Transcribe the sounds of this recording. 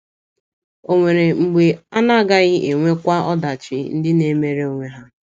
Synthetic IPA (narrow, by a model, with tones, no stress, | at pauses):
o˨ŋʷe˨ɾe˨ŋ͡m̩˨ɡ͡be˨a˦na˦ɡa˦ɣɪ˦ʔe˨ŋʷe˦kʷa˦ɔ˦da˨t͡ʃɪ˦n̩˦dɪ˦ne˨˦me˦ɾe˦o˨ŋʷe˦ɦa˦